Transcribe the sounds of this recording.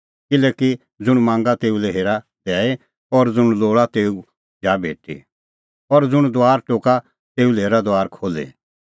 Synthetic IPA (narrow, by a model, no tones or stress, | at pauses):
kɪlɛːki | d͡zʊɽ̃mãːŋɡat̪eːuleɦeːɾa | d̪ɛːe | ɔɾd͡zʊɽ̃loːɭat̪eːu | d͡ʒaːbʱeːʈḭ | ɔɾd͡zʊɽ̃d̪ʊaːɾʈoːka | t̪eːuleːɾad̪oaːɾkʰoːlḛ